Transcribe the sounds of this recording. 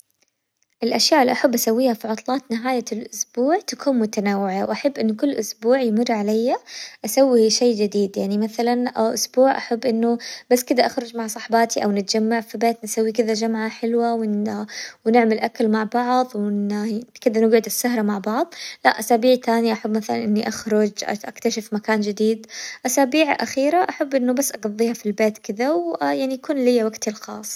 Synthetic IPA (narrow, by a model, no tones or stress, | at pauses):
ʔɪlʔaʃjaːʔɪlːiʔaħabːʔasawːiːhafiʕʊt̪ˤlɑːt̪nɪɦaːjalʔʊsbuːʕt̪akʰuːnmʊt̪anawːɪʕawʔaħabːʔɪnːʊkʊlːʔʊsbuːʕjmʊrːʕalajːaʔasawːiʃeːd͡ʒɪd̪iːd̪jaʕnimaθalanʔʔʊsbuːʕʔaħabːʔɪnːʊb̥asːkɪd̪aʔaxɾʊd͡ʒmaʕsˤɑħbɑːt̪iʔawnɪt̪̚d͡ʒamːaʕfibeːt̪nsawːikɪðad͡ʒamʕaħɪlwawɪ | wnɪʕmalʔakalmaʕbɑʕðˤwɪnkɪd̪anɪɡʕɪd̪ɪsːaɦɾˤamaʕbɑʕðˤlaʔasaːbiːʕt̪aːniʔaħabːmaθala̰nʔɪnːiʔaxɾʊd͡ʒʔʔakt̪aʃɪfmakaːnd͡ʒɪd̪iːd̪ʔasaːbiːʕʔaxiːɾaʔaħabːʔɪnːʊbasːʔɑɡɑðˤːiːhafilbeːt̪kɪðawjaʕnijakuːnlijːawaɡt̪ɪlxɑ̰ːsˤ